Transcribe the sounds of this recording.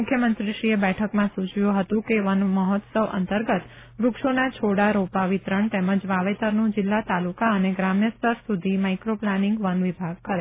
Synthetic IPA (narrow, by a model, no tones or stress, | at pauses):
mʊkʰjəmənt̪ɾiʃɾiebɛʈʰəkmãsut͡ʃjũɦət̪ũkeʋənməɦɔt̪səʋə̰nt̪əɾɡət̪ | ɾʊkʃonat͡ʃʰoɽaɾopaʋit̪ɾəɳt̪eməd͡ʒʋaʋet̪əɾnũd͡ʒɪlːat̪alukaəneɡɾamjəst̪əɾsud̪ʱimaikɾoplanɪŋɡʋənʋibʱaɡ̚kəɾe